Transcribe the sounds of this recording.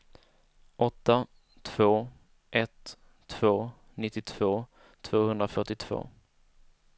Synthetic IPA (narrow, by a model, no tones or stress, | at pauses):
ɔt̪ːa | t̪ʰv̥oː | ʔɛt̪ʰː | v̥oː | nɪt̪ːɪt̪ʰv̥oː | t̪ʰv̥oːhɵnd̪ɾafœʈːɪt̪ʰv̥o̰ː